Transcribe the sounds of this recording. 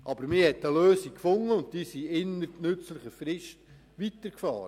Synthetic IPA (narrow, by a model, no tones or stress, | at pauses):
ʔɑbəɾmɪhɛtːəløːsikfʊŋəʊnt̚d̥iːsiɪnəɾnɵt͡slɪχəfɾɪʃt | ʋitəɾkfɑ̰ːɾə